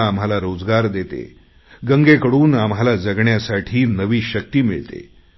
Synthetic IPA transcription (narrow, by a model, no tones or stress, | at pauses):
amɦalaɾod͡zɡaɾd̪et̪ḛ | ɡəŋɡekəɽuːnamɦalad͡zəɡɳjasaʈʰiːnəʋiːɕək̚t̪iːmḭɭt̪ḛ